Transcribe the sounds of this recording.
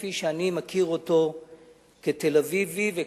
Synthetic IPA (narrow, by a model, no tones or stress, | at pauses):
fiʃeanimakʰiʁoto̞ | ke̞t̪elavivive